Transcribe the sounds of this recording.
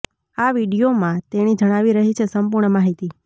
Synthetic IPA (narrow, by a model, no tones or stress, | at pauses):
aʋiɽijomãt̪eɽ̃id͡ʒəɽ̃aʋiɾəɦit͡ʃʰesəmpuɾɳəmaɦit̪i